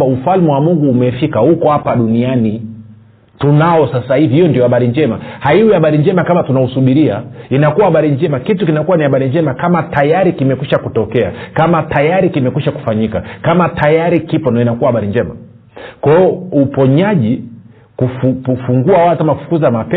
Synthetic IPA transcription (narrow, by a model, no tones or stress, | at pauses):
aufalmɛwamuŋɡuːmɛfikahukɔhapaɗuniani | tunaɔsasahivihijɔndijɔhaɓaɾind͡ʒɛmahaiwɛaɓaɾind͡ʒɛmakamatunausuɓiɾiainakuwahaɓaɾiɲd͡ʒɛmakitukinakuwanihaɓaɾiɲd͡ʒɛmakamatajaɾikimɛkwiʃakutɔkɛa̰kamatajaɾikimɛkiʃaku̥faɲikakamatajaɾikipɔnaɔinakuwahaɓaɾiɲd͡ʒɛma̰ | kɛɔupɔɲaʄi | kufufuŋɡuawalkamakufu̥kuzamapɛ